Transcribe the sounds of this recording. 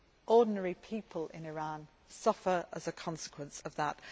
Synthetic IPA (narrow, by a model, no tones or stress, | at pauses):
ʔɔːdⁿn̩əɹipʰiˑpʰəlɪ̰̃nɪɹɑ̃n | sʌfəɹəzəkʰɒ̃nsɪ̥kʰwə̃nsəvðət